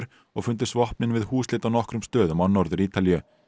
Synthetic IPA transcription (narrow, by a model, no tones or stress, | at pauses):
ɾ̥ | ɔɣfʏnt̪̬ɪ̥svɔhpnɪnvɪðhuːslɪːt̪awnɔhkɾʏmst̪œːðʏmanːɔɾðʏɾiːt̪aljʏ